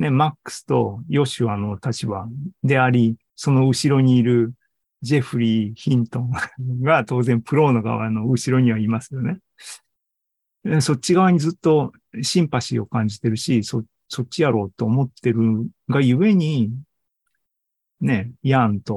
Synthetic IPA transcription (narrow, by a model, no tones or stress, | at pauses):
ne̞makːɯ̥sɨ̥t̪o̞jo̞ɕɨano̞t̪at͡ɕibad̪e̞aɾʲi | so̞no̞ɯ̟ɕiɾo̞ɲ̟iːɾɯ̟ | d͡ʑe̞ɸɯ̟ɾʲiːçĩnt̪õ̞ŋɡat̪o̞ːzẽ̞mpɯ̟ɾo̞ːno̞ɡa̰βa̰no̞ɯ̟ɕiɾo̞ɲ̟iβaimasɨjo̞ne̞ | so̞t͡ɕːiɡaβ̞aɲ̟izɨt̪ːo̞ | ɕĩmpaɕio̞̰kãɲ̟d͡ʑit̪e̞ɾɯ̟ɕiso | so̞t͡ɕːijaɾo̞ːt̪ːo̞ːmo̞t̪ːe̞ɾɯ̟ɡajɯ̟e̞ɲ̟i | ne̞jãnt̪o̞